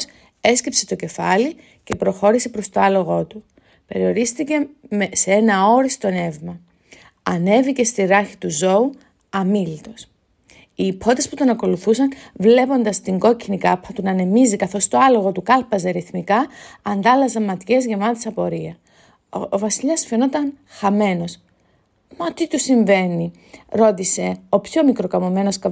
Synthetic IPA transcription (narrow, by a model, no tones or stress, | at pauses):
s | e̞scipse̞t̪oce̞fɐli | ce̞pɾo̞xo̞ɾise̞pɾo̞st̪o̞ɐlo̞ɣo̞t̪u | pe̞ɾio̞ɾist̪ice̞meseenɐo̞ɾist̪o̞ne̞vmɐ | ɐne̞vice̞st̪iɾɐɾçi̥t̪uzo̞u | ɐmilit̪o̞s | iːpʰo̞t̪e̞sput̪o̞nɐko̞luθusɐnvle̞po̞nd̪ɐst̪iŋɡo̞cinikɐpʰɐt̪unɐne̞mizikɐθo̞st̪oɐlo̞ɣo̞t̪ukɐlpɐze̞ɾiθmikɐːnd̪ɐlɐzɐmmɐt̪çe̞zʝemɐt̪e̥sɐpo̞ɾiɐ | ovɐsiʎɐsfeno̞t̪ɐnxɐme̞no̞s | mɐot̪it̪usiɱve̞ni | ɾo̞t̪ise̞o̞pço̞mikɾo̞kɐmo̞me̞no̞skɐ